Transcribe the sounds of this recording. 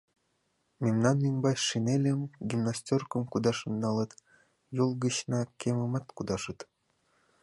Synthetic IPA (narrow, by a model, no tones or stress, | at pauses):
mʲemnɑnimʲbɑɕʃinelʲĕmɡʲimnasʲtʲorkɤ̆mkud̪ɑʃɤ̆nːɑlˠɤ̆t̪ | julˠɡəɕnɑkʲemə̆mɑt̪kud̪ɑʃɤ̆t̪